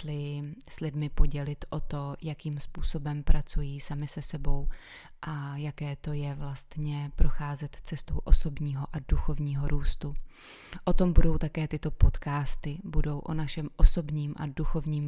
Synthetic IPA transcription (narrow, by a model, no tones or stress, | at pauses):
lɪslɪdmɪpo̞ɟɛlɪt̪ʔo̞t̪o̞jakiːmspuːso̞bɛmpɾat͡sujiːsamɪsɛsɛbo̞w | ʔajakɛːt̪o̞jɛvlast̪ɲɛpɾo̞xaːzɛt̪t͡sɛst̪owʔo̞so̞bɲiːɦo̞ʔaduxo̞vɲiːɦo̞ɾuːst̪u | ʔo̞t̪o̞mbudo̞wt̪akɛːt̪ɪt̪o̞po̞t̪kaːst̪ɪbudo̞wʔonaʃɛmʔo̞so̞bɲiːmʔa̰duxo̞vɲiːm